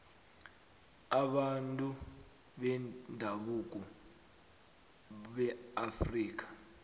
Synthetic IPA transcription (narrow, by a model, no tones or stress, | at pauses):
aɓantʼu | ɓɛndʱaɓuk̬ʼɔ | ɓɛafriːk̬ḁ